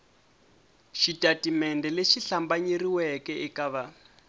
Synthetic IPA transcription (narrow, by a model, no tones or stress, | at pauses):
ʃitʼatimɛndɛleʃiɬambaɲiriwɛkɛʔikaβa